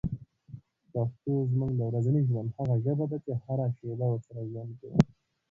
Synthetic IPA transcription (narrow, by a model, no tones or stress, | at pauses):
paxt̪ozmuŋɡd̪əwɾazaniʒwand̪haɣaʒəbad̪at͡ʃehaɾaʃeb̪awəɾsaɾaʒwand̪̚kaw̰